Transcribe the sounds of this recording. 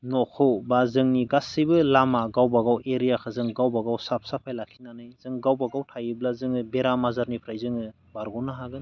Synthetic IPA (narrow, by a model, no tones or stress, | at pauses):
nɔkʰɯwbazɯŋniɡasibɯlamaɡawbaɡaweɾijakʰɯzɯŋɡawbaɡawsap̚sapʰajlakʰinanɯjz̥ɯŋɡawbaɡawtʰajiblazɯŋɯbeɾamazaɾnipʰɾajzɯŋɯ | baɾɡɔnaɦaɡɯn